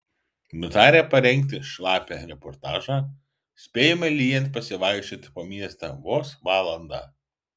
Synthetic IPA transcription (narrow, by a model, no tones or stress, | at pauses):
nʊt̪ɑːɾʲeːpɐɾʲɛŋʲˑk̚ʲt̪ʲɪʃlˠɑːpʲɛɾʲɛpɔɾt̪ɑːʒɑ | sʲpʲeːjɛmɐlʲiːjɛnt̪̚pɐsʲɪʋɑˑɪkʃʲt͡ʃʲoːt̪ʲpoːmʲiɛst̪ɑ̰ːʋoːsʋɑːlˠɐnd̪ɑ̰ː